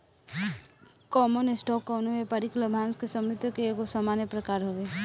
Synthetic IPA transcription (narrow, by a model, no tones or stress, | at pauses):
kɔːmənɪsʈɔkːɔːnumepɐɾikləbʱãːnskesəmɾɪt̪jəkeeːkosamaːnjəpɾəkaːɾɦoʋe